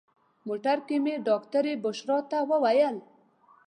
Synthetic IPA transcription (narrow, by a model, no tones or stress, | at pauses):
moʈaɾkemeɖɔkt̪aɾebʊʃɾɔt̪awəwajəl